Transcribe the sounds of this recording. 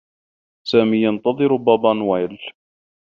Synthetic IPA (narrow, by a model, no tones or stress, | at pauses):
saːmiːjɑnt̪ɑðˤɨɾʊbɑːbɑnwajl